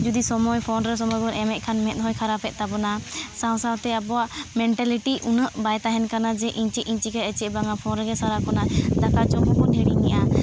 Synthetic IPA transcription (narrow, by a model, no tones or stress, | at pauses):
d͡ʒud̪isɔmɔjpʰɔnɾɛs̬ɔmɔjbɔnɛmɛʔ̚ˀkʰanmɛt̪̚ɦɔjkʰaɾapɛt̪̚ˀt̪abɔnasãw̃sawt̪ɛabɔaʔmɛɳʈɛliʈiʔunəʔbajt̪aɦɛnkanad͡ʒɛʔiɲt͡ʃɛʔiɲt͡ʃikaət͡ʃɛbaŋapʰɔnɾɛɡɛsaɾakɔnad̪akat͡ʃɔkɔkɔʈʰɛɽiɲɛʔa